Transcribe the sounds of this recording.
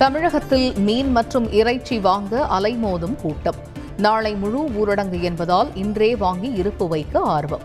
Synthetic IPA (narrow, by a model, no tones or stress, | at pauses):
t̪ɐmɪɻɐɣɐt̪ːɪlmiːnmɐʈrɯmʔɪrɐɪt͡ʃːiʋaːŋɡɐʔɐlɐɪmoːðɯmkuːʈːɐm | naːɭɐɪmʊɻuuːɾɐɽɐŋɡɯɛnbɐðaːlɪndreːʋaːŋɡiɪɾɯpːɯʋɐɪkːɯaːɾʋɐ̰m